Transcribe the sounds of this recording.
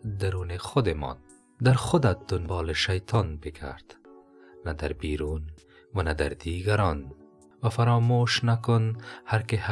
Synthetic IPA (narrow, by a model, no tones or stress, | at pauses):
d̪aɾuːneχʊd̪emɔ̰n | d̪aɾxʊd̪at̪̚d̪ʊnbɑːleʃajt̪ʰɑːnbekʰa̰ɾd̪̥ | nad̪aɾbiːɾuːn | wanad̪aɾd̪iɡaɾɑːn | wafaɾɑːmoʃnakʊnhaɾkeh